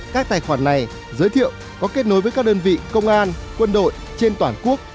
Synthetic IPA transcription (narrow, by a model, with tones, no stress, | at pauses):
kaː˦˥k̚t̪aː˨˩jxwaː˧˩nːa˨˩j | zəː˨˦jt̪ʰḭ˧˨əw | kɔ˨˦ke˦˥t̚no˨˦jvəː˨˦jkaː˦˥k̚ɗəː˧nvḭ˧˨kə˧wŋ͡mʔaː˧nkwə˧nɗo̰˧˨j | t͡ɕe˧nt̪waː˧˩nku˦˥ək̚